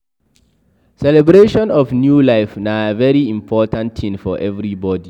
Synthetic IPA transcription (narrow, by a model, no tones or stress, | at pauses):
sɛlɛbɹeʃɔ̃nɔfnjulaɪfnavɛɹiĩmpʰɔtʰãntʰĩmfɔʔɛvɹibɔdi